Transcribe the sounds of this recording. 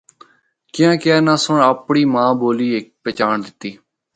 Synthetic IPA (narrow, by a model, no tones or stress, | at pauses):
kɪjãːkɪjaːnaːsʊɳaːpɳiːmãːboːliːek̚pɛːt͡ʃaːɳd̪ɪt̪ːiː